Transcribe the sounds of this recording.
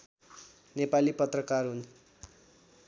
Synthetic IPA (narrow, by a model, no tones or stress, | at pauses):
nepalipʌt̪rʌkarɦun